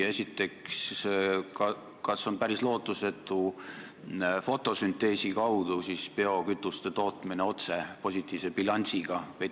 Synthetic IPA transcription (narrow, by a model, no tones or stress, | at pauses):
e̞sʲit̪ːˑe̞ks | kɑ | kɑso̞npæɾislo̞ːt̪ːˑuse̞t̪ːˑu | fo̞t̪ːˑo̞synt̪ːˑe̞ːsikɑwd̪̥usispe̞o̞kyt̪ˑːust̪e̞t̪o̞ːt̪mineo̞t̪se̞po̞sʲit̪ːˑiːvse̞bilɑnʲsiɡ̥ɑvej